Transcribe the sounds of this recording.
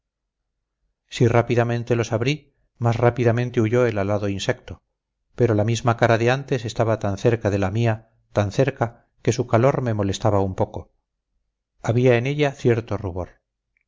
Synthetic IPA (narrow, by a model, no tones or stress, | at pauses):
sirapiðamẽ̞nt̪e̞lo̞saβɾi | masrapiðamẽ̞nt̪euʝo̞elalaðo̞insekt̪o̞ | pe̞ɾo̞lamizmakaɾaðeant̪e̞se̞st̪aβat̪anθe̞ɾkaðe̞lamia | t̪anθeɾka | ke̞sukalo̞ɾme̞mo̞le̞st̪aβaumpo̞ko̞ | aβiaene̞ʎaθje̞ɾt̪o̞ruβo̞ɾ